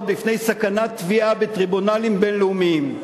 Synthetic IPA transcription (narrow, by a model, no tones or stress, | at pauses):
bifne̞jsakanat̪viʔabet̪ʁibunalimbe̞nleumiim